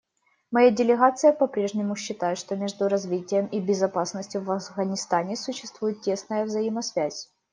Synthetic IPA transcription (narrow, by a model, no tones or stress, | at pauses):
mɐjadʲɪlʲɪɣat̪sɨjəpɐpɾʲe̞ʐnʲɪmʊɕːɪt̪ajɪt̪ʂt̪omʲe̞ʐd̪ʊɾɐzvʲitʲɪjəmibʲɪzɐpasnəsʲtʲjʊvɐfɣənʲɪst̪anʲɪsʊɕːɪst̪vujɪt̪̚tʲːe̞snəjəvzɐjimɐsvʲæzʲ